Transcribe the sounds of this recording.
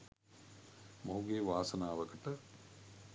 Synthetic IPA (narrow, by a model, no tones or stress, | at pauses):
moɦuɡeːʋaːsɐnaːʋɐkəʈə